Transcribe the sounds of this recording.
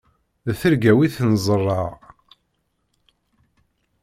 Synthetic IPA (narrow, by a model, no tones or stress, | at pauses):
ðθəɾɡæwiθnzˤərˤːɑʁ